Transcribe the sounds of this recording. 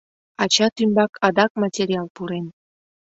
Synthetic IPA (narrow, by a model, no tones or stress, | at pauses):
ɑt͡ɕɑt̪ymbɑkʰɑd̪ɑk̚mɑtʲeɾʲiɑlpuɾen